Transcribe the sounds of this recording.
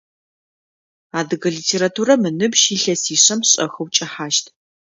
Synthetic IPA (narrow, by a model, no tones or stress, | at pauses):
aːdɨɣɐɮiːtʰeːɾatʰuːɾɐmɨnɨbʃiːɬɐsiːɕɐmɕʼɐ̰xɐwt͡ʃʼɐħaːʃtʰ